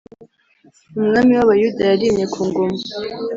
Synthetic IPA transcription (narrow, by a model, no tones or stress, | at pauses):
umŋamiwaβajudajaɾiːmɲe̞kʰuːŋɡoma